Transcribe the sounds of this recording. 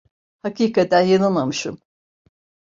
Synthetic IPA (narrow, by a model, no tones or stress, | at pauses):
hakiːkʰat̪ænjananmamɯʃɯm